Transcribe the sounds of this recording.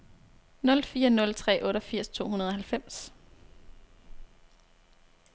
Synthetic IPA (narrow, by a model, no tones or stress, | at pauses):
nɔ̽lfiːɐnɔ̽lt͡sʰʁɛ̰ːʔɔ̽ːɾɒfiɐ̰st͡sʰo̝̰ːunɐðˠɒ̽ɦælfem̰s